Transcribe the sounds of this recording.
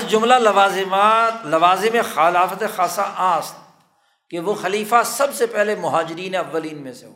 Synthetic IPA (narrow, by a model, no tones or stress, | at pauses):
d͡ʒʊmlalɐʋaːzmaːt̪lɐʋaːzemẽxalaːfət̪exaːsaʔaːst̪ | keʋoxɐliːfasɐbsepɛɦlemʊɦaːd͡ʒɾiːneɐʋːəliːnmẽseɦo̰ː